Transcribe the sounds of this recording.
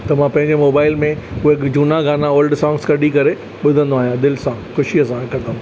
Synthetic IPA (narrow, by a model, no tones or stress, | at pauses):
t̪ɐmãpɐ̃ɦɪ̃ɲd͡ʑemoːbaːɪlmẽʊɦekd͡ʑuːnaɡaːnaoːlɖsãːŋɡskɐɗikɐɾe | ɓʊd̪ʱə̃nd̪oaːɦijãd̪ɪlsãxʊʃiɐsãkʰɐt̪ə̃m